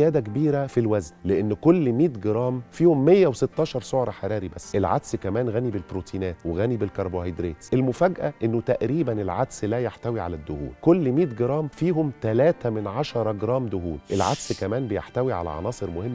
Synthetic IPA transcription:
jæːd̪ækebiːɾæfilwæznleʔenːkolːmiːt̪ɡeɾˤɑːmfiːhomːejːæweset̪ːɑːʃɑɾˤsˤoʕɾˤɑħɑɾˤɑːɾibæsːʔelʕa̰d̪skæmæːnɣænibelbɾuːt̪ʰiːnæːt̪weɣænibɪlkɑɾˤbohɑjd̪ɾeːt̪sʔelmʊfæɡʔæʔenːot̪æʔɾiːbænelʕad̪slæːjeħt̪æwiʕa̰læd̪ːʊhṵːlkolːmiːt̪̚ɡeɾˤɑːmfiːɦomt̪ælæːt̪æmɪnʕaɑʃɑɾˤɑɡeɾˤɑːmd̪ʊɦuːlʔelʕa̰d̪skæmæːnbejḛħt̪æwiʕa̰læ̰ʕɑ̰nɑːsˤɨɾmohemː

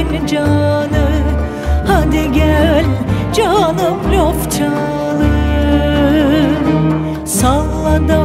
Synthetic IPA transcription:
nd͡ʒanɯ | had̪iɡʲælʲd͡ʒanɯmlʲoft͡ʃʰa | lˠɯ | salˠːad̪a

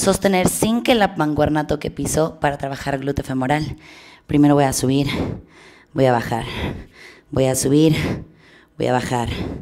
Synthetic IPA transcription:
so̞st̪e̞ne̞ɾsiŋkelapaŋɡwaɾnat̪okepisopaɾat̪ɾaβaxaɾɣlut̪efemo̞ɾalpɾime̞ɾo̞βojasuβ̞iɾ | bojaβaxaɾ | bojasuβiɾ | bo̰ja̰βaxaɾ

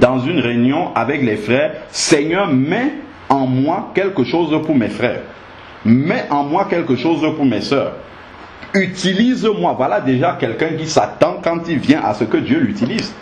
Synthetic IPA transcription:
d̪ɑ̃zynʁeynjɔ̃ʔavɛklɛfχɛːʁseɲœːʁmɛ | ɑ̃mwakɛlkəʃozpuʁmɛfχɛ̰ːʁ | mɛʔɑ̃mwakɛlkəʃozəpuʁmɛsœːʁ | yt̪ilizmwavwalad̪eʒakɛlkɛ̃k̬isat̪ɑ̃kɑ̃t̪ilvjɛ̃ʔa̰səkəd̪jølyt̪iliz

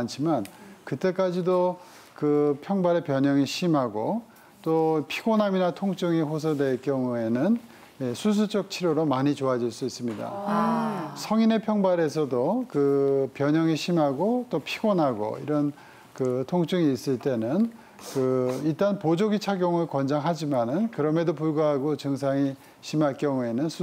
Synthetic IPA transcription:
ant͡ɕʰimankɯt͈e̞k͈ad͡ʑido | kɯpʰjʌŋbaɾe̞pjʌɲʌŋiɕʰimɦaɡo | t͈opʰiɡonɦaminatʰoŋt͡ɕ͈ɯŋiɸos̬ʰʌdwe̞kjʌŋue̞nɯn | je̞sʰus̬ʰut͡ɕʌk̚t͡ɕʰiɾjoɾomaɲit͡ɕoad͡ʑiɭs͈uis͈ɯmɲida̰ | sʰʌŋine̞pʰjʌŋbaɾe̞s̬ʰʌdokɯpjʌɲʌŋiɕʰimɦaɡot͈opʰiɡonɦaɡo̰ḭɾʌn | kɯtʰoŋt͡ɕ͈ɯŋiːs͈ɯɭt͈e̞nɯn | kɯiɭt͈anpod͡ʑoɡit͡ɕʰaɡjoŋɯɭkwʌnd͡ʑaŋɦad͡ʑimanɯnkɯɾʌme̞dop̬uɭɡaɦaɡot͡ɕɯŋs̬ʰaŋi | ɕʰimaɭk͈jʌŋue̞nɯnsʰ

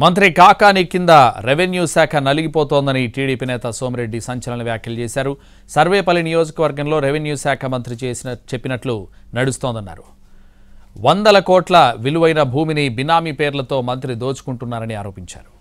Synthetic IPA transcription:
mɐnt̪ɾikaːkaːnikːind̪ɐɾeʋenjuːsaːkʰɐnɐliɡipɔːt̪oːnd̪ɐniʈiːɽiːpiːnɛːt̪ɐsoːmɾe̞ɖːisɐɲt͡ʃɐlɐnɐʋjaːkjɐlut͡ʃeːsaːɾu | sɐɾʋɛːpɐlːinijoːd͡ʒɐkɐʋɐɾɡɐmlo̞ːɾeʋenjuːsaːkʰɐmɐnt̪ɾit͡ʃeːsint͡ʃepːinɐʈlu | nɐɽust̪oːnd̪ɐnːa̰ːɾu | ʋɐnd̪ɐlɐkɔːʈlɐʋiluʋɐjnɐbʱuːminibinaːmipeːɾlɐt̪o̞ːmɐnt̪ɾid̪o̞ːt͡ʃu̥kuɳʈunːaːɾɐniaːɾo̞ːpiɲt͡ʃa̰ːɾu

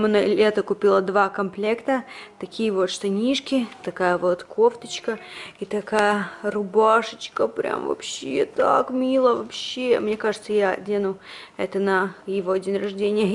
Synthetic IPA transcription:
mnɐlʲet̪əkʊpʲilˠəd̪vakɐmplʲekt̪ət̪ɐkʲijəvo̞t̪ʂt̪ɐnʲiʂkʲɪt̪ɐkajəvo̞t̪kʰoft̪ət͡ɕkəit̪ɐkajərʊbaʂɨt͡ɕkəpɾʲa̰mvɐ̰pɕḛt̪a̰kmʲilˠəvɐpɕemnʲe̞kaʐɨt̪səjadʲenʊ | ɛt̪ənəjɪvoɐdʲɪnʲrɐʐdʲenʲɪjə

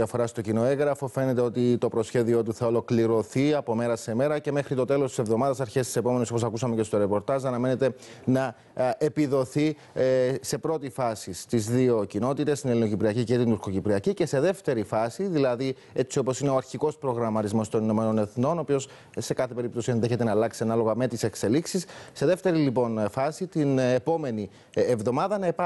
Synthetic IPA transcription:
iɐfo̞ɾɐst̪o̞cino̞e̞ŋɣɾɐfo̞fe̞ne̞t̪e̞o̞t̪it̪o̞pɾo̞sçe̞ðio̞t̪uθɐolo̞kliɾo̞θiɐpo̞me̞ɾɐseme̞ɾɐce̞me̞xɾit̪o̞t̪e̞lo̞st̪ise̞vðo̞mɐðɐsɐɾçe̞st̪ise̞po̞meneso̞posɐkusɐme̞ce̞st̪o̞ɾe̞po̞ɾt̪ɐzɐnɐme̞net̪e̞nɐ | e̞piðo̞θi | se̞pɾo̞t̪ifɐsist̪izðio̞cino̞t̪it̪e̞st̪ine̞lino̞cipɾiɐcice̞t̪inuɾkocipɾiɐcice̞se̞ðe̞ft̪e̞ɾifɐsiðilɐði | e̞tt͡sio̞po̞sine̞oɐɾçiko̞spɾo̞ɣɾɐmɐt̪izmo̞st̪o̞nino̞me̞no̞ne̞θno̞nopio̞s | se̞kɐθepe̞ɾip̚t̪o̞sienðe̞çe̞t̪e̞nɐːlɐksiɐnɐlo̞ɣɐme̞t̪ise̞kse̞liksisːe̞ðe̞ft̪e̞ɾilipo̞nfɐsit̪inepo̞me̞ni | evðo̞mɐðɐnɐepɐ

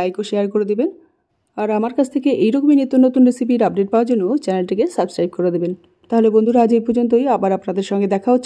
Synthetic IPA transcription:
ajkoʃeaɾkoɾed̪iben | aɾamaɾkat͡ɕʰt̪ʰekeʔejɾɔkominet̪ːonot̪unɾesip̬iɾap̚ɖeʈ̚paoaɾd͡ʑonːot͡ɕɛnelʈikesabskɾajb̚koɾed̪iben | t̪aɦolebond̪ʱuɾad͡ʑejpɔɾd͡ʑont̪̬ojabaɾapnad̪eɾʃɔŋɡed̪ɛkʰaɦotːɕʰ

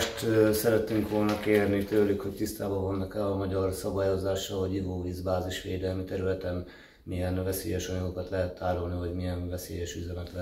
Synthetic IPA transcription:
ʃt̪ːsɛɾɛt̪ːyŋkʋo̞lnɒkeːrnit̪øːlykho̞ct̪ist̪aːbɒvonːɒkɛlɒmɒɟɒrsɒbaːjo̞zaːʃɒɦoɟiɡoːviːzbaːziʃʋeːd̪ɛlmit̪ɛɾylɛt̪ɛn | mijɛnvɛseːjɛʃɒɲɒɡokɒt̪lɛɦɛt̪ːaːɾolniɦo̞ɟmijɛɱvɛsḛːjɛʃyzɛmɛt̪lɛ

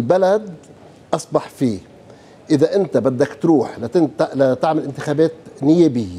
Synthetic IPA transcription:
lbalad̪ | ʔɑsˤbɑħfiː | ʔɪðaʔɪnt̪abad̪ːakt̪ɾuːħlaɪlat̪ɪʕmɪlʔɪnt̪ɪ̥xaːbeːt̪nɪjeːbɪjːa

